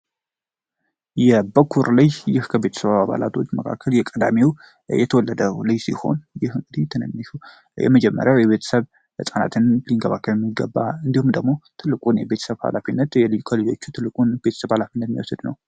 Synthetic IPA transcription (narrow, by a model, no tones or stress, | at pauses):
jɛbəkʰːuɾlajjɪhkʰəβe̞t̪ʰəsəβaβaβa̰la̰t̪ʰo̞t͡ʃːməkʰa̰kʰːəljɛkʼəd̪amiw | jɛt̪ʰəwɔlːəd̪əlɨjsḭho̞̰njɪhɨŋɡɨd̪it̪ʰɨnə̰nːɨʃu | jɛ̰məd͡ʒɛmːə̰ɾjawjɛβe̞t̪ʰə̥səβ | əsʼana̰t̪ʰɨnliŋɡəβakʰːəjɛmːiɡːə̰bːaɨnd̪ihumd̪əɡmo̞t̪ʰɨlːɨkʼunjɛbe̞t̪ʰə̥səβha̰lafinːət̪jɛlikʰolod͡ʒo̞t͡ʃːut̪ʰɨlːɨkʼunbe̞t̪ʰə̥səβhalafinːət̪miwɔsɨd̪nə̰w